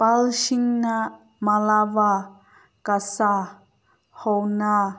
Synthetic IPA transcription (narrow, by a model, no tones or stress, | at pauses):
palʃiŋna | malawa | kasa | hɔwna